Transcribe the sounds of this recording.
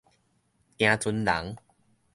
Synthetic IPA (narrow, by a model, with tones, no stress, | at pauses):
j̃ã˧t͡su˧nla̰˨˩˦ŋ